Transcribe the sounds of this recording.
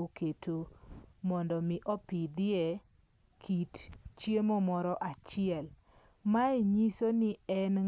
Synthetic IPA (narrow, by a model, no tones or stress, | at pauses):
okʰetʰomɔndɔmɪʔɔpɪd̪ɪe | kʰitt͡ʃjemomɔɾɔʔat͡ʃɪɛl | maiɲisonɪɛn